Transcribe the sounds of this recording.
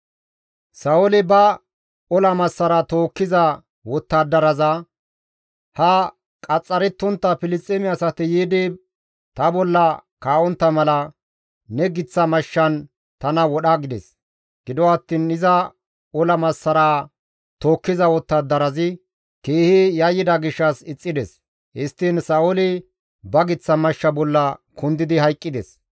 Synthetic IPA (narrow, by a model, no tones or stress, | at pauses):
sɐʊlɪbɐ | ɔlɐmɐsːɐɾɐt̪o̞ːkːɪzɐ | wɔt̪ːad̪ːɐɾɐzɐ | hɐ | kʼɐt͡sʼːɐɾɛt̪ːɔnt̪ːɐpɪlɪt͡sʼːɛmɪɐsɐt̪ɪjiːd̪iː | t̪ɐbɔlːɐkaːʔɔnt̪ːɐmɐlɐ | nɛɡɪt͡sːɐmɐʃːɐn | t̪ɐnɐwɔɗɐɡɪd̪ɛs | ɡ̥ɪd̪ɔɐt̪ːiːnɪzɐ | ɔlɐmɐsːɐɾaː | t̪o̞ːkːɪzɐwɔt̪ːɐd̪ɐɾɐzɪ | keːhɪjɐjːɪd̪ɐɡɪʃːɐsɪt͡sʼːɪd̪ɛs | hɪst̪ːiːnsɐʊlɪ | bɐɡɪt͡sːɐmɐʃːɐbɔlːɐkʊnd̪ɪd̪ɪɦɐjkʼːɪd̪ɛs